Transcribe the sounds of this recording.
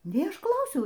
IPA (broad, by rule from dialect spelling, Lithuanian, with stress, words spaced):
nʲɛɪ ˈɐʃ ˈklˠɐʊsʲɛʊ